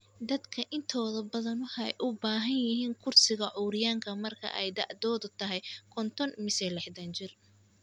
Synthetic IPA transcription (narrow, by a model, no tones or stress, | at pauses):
d̪ɐd̪kʰɐʔɪnt̪ʰɔːðɐbɐðɐnʊħɛjʔʊbaːɦɐnjɪɦiːŋkʰʊrsɪɣɐʕɔːɾɪjaːŋkʰɐmɐrkʰɐ̰ʔɛjd̪ɐ̰ʕd̪ɔːðʊt̪ʰɐɦɛjkʰɔnt̪ʰɔnmɪsɛlɛħt̪ʰɐnt͡ʃɪr